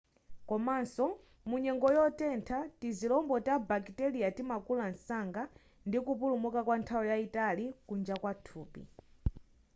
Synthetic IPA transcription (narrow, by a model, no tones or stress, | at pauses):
kɔmansɔ | muɲɛŋɡɔjɔtɛntʰatizilɔmbɔtabakitɛliatimakulansaŋɡa | ndikupulumukakwantʰawɔjaitalikund͡ʒakwatʰuːpḭ